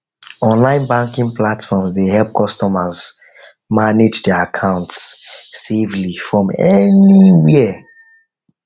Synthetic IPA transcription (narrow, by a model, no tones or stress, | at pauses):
ɔ̃nlãɪ̃nbãŋkĩŋplatfɔmzdehɛlp̚kʰɔstɔməz | maned͡ʒdɛakʰãʊ̃ntsːevlifɹɔ̃mɛniwiə